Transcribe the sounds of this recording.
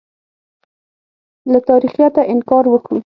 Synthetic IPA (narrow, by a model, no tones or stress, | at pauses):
lat̪ɑɾixjɑt̪aʔɪnkɑɾwəkɽu